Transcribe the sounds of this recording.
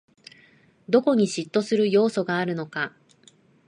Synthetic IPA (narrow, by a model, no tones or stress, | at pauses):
d̪o̞ko̞ɲ̟iɕit̪ːo̞sɨɾɯ̟jo̞ːso̞ɡaːɾɯ̟no̞ka